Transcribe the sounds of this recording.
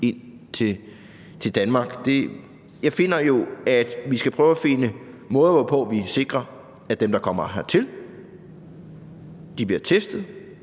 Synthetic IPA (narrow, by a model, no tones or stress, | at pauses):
e̝n̰ | t͡sʰe̝ | t͡sʰe̝ld̥ænmɑ̈ːɡ̥d̥e̝ | jɑ̈ɪfe̝n̰ɐjo̝æd̥ʋisɡ̥æpʰʁœʊæfe̝nəmɔ̽ːð̩ˠʋɒpʰɔ̽ːʋise̝ɡ̥ʁɐ | æd̥emd̥ɑ̈kʰɒ̽m̰ɐɦæt͡sʰe̝l | d̥ib̥liɐt͡sʰesd̥ð̩ˠ